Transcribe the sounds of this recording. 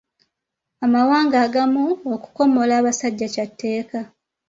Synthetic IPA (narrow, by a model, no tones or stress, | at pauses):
amawaːŋɡaːɡamuoku̥ko̞mo̞laːβasaɟːacatːe̞ːka